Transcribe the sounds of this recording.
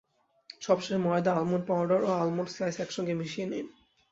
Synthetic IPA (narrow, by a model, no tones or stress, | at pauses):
ʃɔbʃeʃmɔed̪aalmunpaʊɖaɾoalmunsajsɛkʃɔŋɡemiʃienen